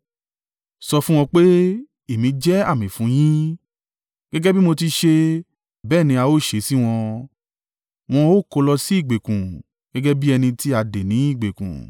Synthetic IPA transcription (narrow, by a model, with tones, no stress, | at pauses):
sɔ˧fũ˦w̃ɔ̃˧k͡pe˦ | e˨mĩ˨˧˦d͡ʒɛ˦a˦˨mĩ˨fũ˨˦j̃ĩ˦ | ɡ̥ɛ˦ɡɛ˦bi˦mo˧ti˧ʃe˧ | bɛː˦˨nĩ˧a˧o˦˨ʃe˨˦si˦w̃ɔ̃˧ | w̃ɔ̃˧o˦˨ko˧lɔ˧si˦i˦˨ɡ͡be˨kũ˨ | ɡ̥ɛ˦ɡɛ˦bi˦ɛ˧nĩ˧ti˦a˧de˨nĩ˨˦i˦˨ɡ͡be˨kṵ̃˨